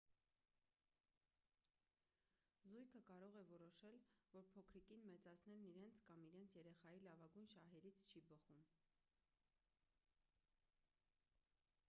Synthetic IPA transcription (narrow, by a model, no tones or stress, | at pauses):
zujkʰəkɑɾɔʁɛvɔɾɔʃɛlvɔɾpʰɔkʰɾikinmɛt͡sɑt͡sʰnɛlniɾɛnt͡sʰkɑmiɾɛnt͡sʰjɛɾɛχɑjilɑvɑɡujnʃɑɦɛɾit͡sʰt͡ʃʰibəχum